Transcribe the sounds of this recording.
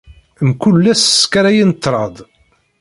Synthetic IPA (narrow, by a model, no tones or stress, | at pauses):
mkulːæsskæɾæjint̪ːɾˤɑd̪ˤ